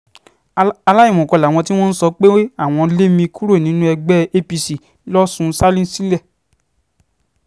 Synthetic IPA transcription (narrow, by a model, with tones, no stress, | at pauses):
a˧la˦i˦˨mũ˨kɔ˨˧la˨w̃ɔ̃˧t̬i˦w̃ɔ̃˦n̩˦sɔ˧k͡pe˦a˦˨w̃ɔ̃˧˦le˦mĩ˧kʰu˦ɾo˦˨nĩ˨˦nũ˦ɛ˧ɡ͡bɛ˦e˦pi˧si˨ | lɔ˦sũ˧˦sa˦lĩ˦si˦lɛ˦˨